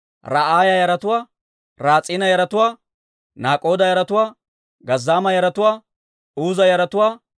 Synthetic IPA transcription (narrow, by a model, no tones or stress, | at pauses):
ɾaʔaːjɐjɐɾɐt̪ʊwaː | ɾaːt͡sʼɪːnɐjɐɾɐt̪ʊwaː | naːkʼo̞ːd̪ɐjɐɾɐt̪ʊwaː | ɡɐzːaːmɐjɐɾɐt̪ʊwaː | uːzɐjɐɾɐt̪ʊwaː